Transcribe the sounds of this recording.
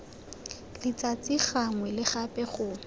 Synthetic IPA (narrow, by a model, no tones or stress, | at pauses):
lɪt͡sʼat͡sʼiχaŋwɛlɪχapʼɛχʊ